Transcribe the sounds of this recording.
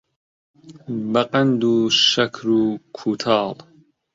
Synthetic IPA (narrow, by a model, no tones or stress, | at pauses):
bɐqɐnd̪uːʃɐkʰɾuːkʰuːt̪ʰɑːl